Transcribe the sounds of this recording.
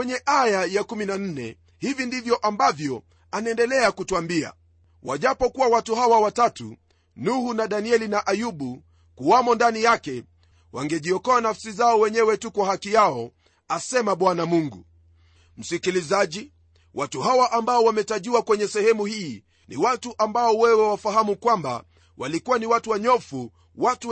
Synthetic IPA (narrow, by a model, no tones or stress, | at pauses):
wɛɲɛʔajajakuminan̩nɛ̰ | hivindivjɔʔambavjɔ | anaɛndɛlɛakutuambia̰ | wa̰ʄapɔkuwawatuɦawawatatu | nuhunaɗaniɛlinaʔajuɓu | kuwamɔndanijakɛ | wʔa̰ŋɡɛʄiɔkɔanafsizaɔwɛɲɛwɛtukwahakijaɔ | asɛmaɓwanamuŋɡṵ | m̩sikilizaʄi | wʔatuɦawaʔambaɔwamɛtaʄiwakwɛɲɛsɛhɛmuhiː | nḭwatuʔambaɔwɛwɛwafaɦamukwamba̰ | wa̰likuwaniwatuwaɲɔfu | watu